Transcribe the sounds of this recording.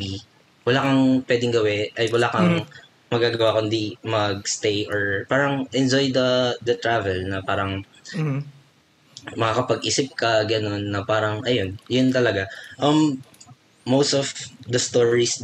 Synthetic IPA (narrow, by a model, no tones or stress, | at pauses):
ɡi | wɐlaːkɐŋpwɛːd̪ɪŋɡɐwɛʔɐjwɐlaːkɐŋ | mɐɡaːɡɐwakʊnd̪imɐɡ̚st̪ejʔoɹpaːɾɐŋʔɛnd͡ʒojd̪ɐd̪ɐt̪ɾaːvɛlnɐpaːɾɐŋ | mɐkakɐpɐɡ̚ʔiːsɪp̚kɐɡɐno̞nːɐpaːɾɐŋʔɐjo̞njʊnt̪ɐlɐɡaʔɐm | mowst̪ɔvd̪ɐst̪oɹis